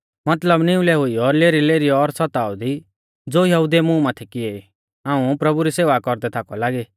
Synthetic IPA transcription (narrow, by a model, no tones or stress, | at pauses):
mɐt̪ləbnɪũlɛɦʊiɔɾleːɾileːɾiɔːɾsɐt̪aːud̪i | d͡zoːjɐɦʊd̪emũmaːt̪ʰɛkɪe | ãːũpɾɐbuɾiseːʋakɔɾd̪ɛt̪ʰaːkɔlaːɡe